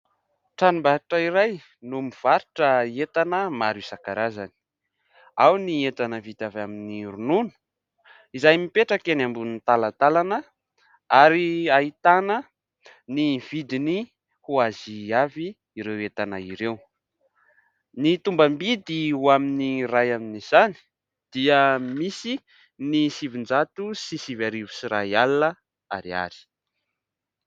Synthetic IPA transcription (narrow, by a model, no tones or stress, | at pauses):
ʈ͡ʂanumbaɾiʈ͡ʂəiɾaj | numiv̥aɾiʈ͡ʂəet̪anəmaɾisakaɾazani̥ | awniet̪anəvid̪avaminiɾununu̥ | izajmipeʈ͡ʂəkenambunit̪alat̪alanə | aɾiait̪anə | niv̥id̪ini | huaziaviː | ɾewet̪ana̰iɾew | nit̪umbambid̪iwaminirajaminiz̥ani̥ | d̪̥iəmisi | nisivind͡zat̪usisivaɾivusiɾajalnə | a̰ɾia̰ɾi̥